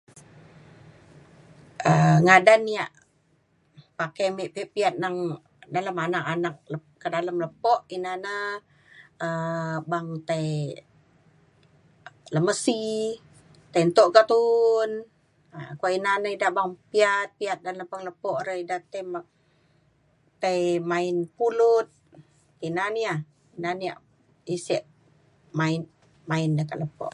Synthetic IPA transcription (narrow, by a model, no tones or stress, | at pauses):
ʔəŋadanːiaʔ | pakajmiʔpiʔpiat̪̚naŋ | daləmanakanak̚ləkədaləmləpɔʔinanə | əbaŋt̪aj | ləməsi | t̪ajnt̪ɔʔkat̪un | akainanəidaʔbaŋpiat̪̚piat̪̚danləpaŋləpɔʔɾəidat̪ajm | t̪ajmainpulut̪̚ | inaniah | inaniaʔ | isiʔ | main | maindəkaʔləpɔ̰ʔ